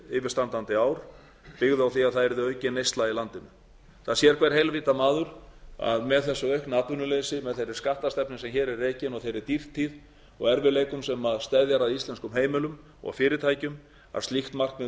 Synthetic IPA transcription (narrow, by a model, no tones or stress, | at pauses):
ɪvɪɾ̥st̪ant̪ant̪ɪaːwɾ̥ | pɪɣðʏawθiaðθaðɛɾðʏœːɥcɪnejst̪lailant̪ɪnʏ | θaðsjɛɾ̥kʰvɛɾ̥ɦejlvɪːt̪amaːðʏɾ̥a̰ðmɛðθɛsːʏœɥhknat̪vʏnʏlejsɪmɛðθejɾɪ̥skaht̪ast̪ɛpnɪsɛmçɛːɾɛrːeːcɪnɔɣθejɾɪɾt̪ir̥t̪ʰːið | ɔ̰ɣɛɾvɪleːjkʏmsɛmaðst̪ɛðjaɾaðist̪ɛnskʏmɦeːjmɪlʏm | ɔ̰ɣa̰fɪːɾɪt̪ʰaːjcʏm | a̰ðst̪liht̪mar̥kmɛ